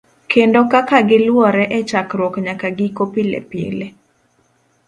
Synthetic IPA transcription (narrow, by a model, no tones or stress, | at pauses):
kʰendokakaɡɪlwɔɾɛʔɛt͡ʃakɾwɔkɲakaɡɪkopilɛ̰pjḛle